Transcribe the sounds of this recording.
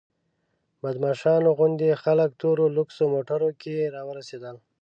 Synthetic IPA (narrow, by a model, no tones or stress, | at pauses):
mad̪mɑʃɑnoɣʊnd̪exalək̚t̪oɾolʊksomoʈaɾokeɾɑwəɾased̪əl